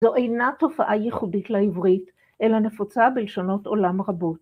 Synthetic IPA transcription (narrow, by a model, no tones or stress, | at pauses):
zoʔejnato̞faʔajeχuditlaivʁit | ʔe̞lane̞fot͡sabelʃono̞to̞lamʁabot